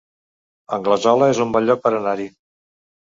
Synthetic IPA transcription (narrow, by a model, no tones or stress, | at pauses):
əŋɡləzɔləezumbɔʎʎɔk̚pəɾənaɾi